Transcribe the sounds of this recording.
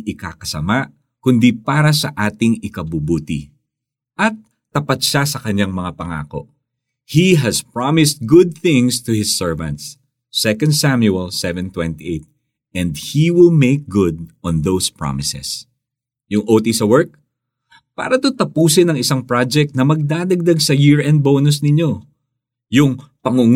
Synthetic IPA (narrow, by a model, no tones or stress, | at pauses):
ʔɪka̰kɐsɐmaʔ | kʊnd̪ipaːɾɐsɐʔaːt̪ɪŋɪkɐbubuːt̪ɪ | ʔɐt̪ː | ɐpɐt̪̚ʃasɐkɐɲːaŋmɐŋapɐŋa̰ːko̞̰ʔ | hiɦɐspɹamɪst̪̚ɡʊd̪̚θɪ̃ŋst̪ʊhɪsːɛɹvɐ̃nt̪sː | ɛkɐ̃nd̪̚samjuɛlsɛvɛ̃nt̪wɛ̃nt̪iʔejt̪̚ | ɛ̃nd̪̚hiwɪlmeɪk̚ɡʊd̪̚ɔ̃nðowspɹa̰mɪsɛ̰s | jʊŋʔoːt̪isɐwɛɹk̚ | pa̰ːɾɐt̪ut̪ɐpuːsɪnɐŋɪsaŋpɹad͡ʒɛk̚t̪̚nɐmɐɡ̚d̪aːd̪ɐɡ̚d̪aɡsɐjɪɹɛnd̪̚boːnʊsnɪɲo̞ | jʊŋpɐŋʊŋ